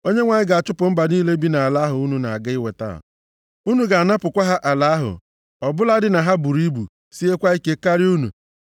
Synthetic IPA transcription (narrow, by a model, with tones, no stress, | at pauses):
o˦ɲe˦ŋʷa˨ɲɪ˦ɡa˨a˨t͡ʃʊ˦pʊ˨m̩˦ba˨niː˦le˦bi˦na˨a˨la˨˦ɦʊ˨u˦nu˨na˨a˨ɡa˦ɪ˦we˨ta̰˦˨ | u˦nu˨ɡa˨a˨na˦pʊ˨kʷa˦ɦa˦ʔa˨la˨˦ɦʊ̰˨ | ɔ˨bʊ˦la˦dɪ˦na˨ɦa˦bu˨ɾi˦bu˨ | si˦e˦kʷa˦i˦ke˦ka˦ɾi˦u˦nṵ˨